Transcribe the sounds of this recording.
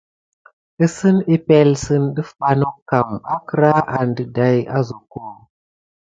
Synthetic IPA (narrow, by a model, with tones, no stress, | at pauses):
i˦sɨ˦ni˦pɛ˦lsɨ˦nɗə˦fɓa˦no˦kːa˨ma˦kɨ˦ɾa˦a˨ndə˨da˦ja˦zo˨ko˦˨